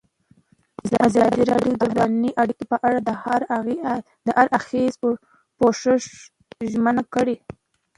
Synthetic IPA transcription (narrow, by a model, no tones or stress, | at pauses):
əʔazɑd̪iɾɑɖjod̪əwanniʔaɽikopəʔaɽa | d̪əʔaɾaxez | poʂəʂ | ʒmənakəɽe